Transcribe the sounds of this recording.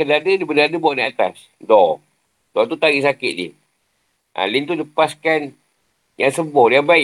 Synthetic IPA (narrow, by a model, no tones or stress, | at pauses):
kənadədibənadəbuaʔdiat̪a̰s | dɔ | d̥ɔt̪ut̪aɣiʔsakɪt̪̚dḭh | ʔa̰lint̪uləpaskan | jaŋsəbɔijabaɪ